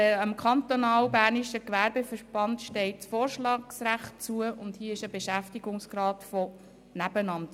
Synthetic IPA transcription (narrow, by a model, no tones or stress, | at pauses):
əmkʰɑnt̪onɑːwbæːrniʃəkʋærbefəɾb̥ɑntʃtɛɪtt͡sfoːrʃlɑːksræχtt͡suəʊndhiəɪʃəbeʃæftiɡʊŋsɡ̥ɾɑːtfɔ | næb̥ənɑnt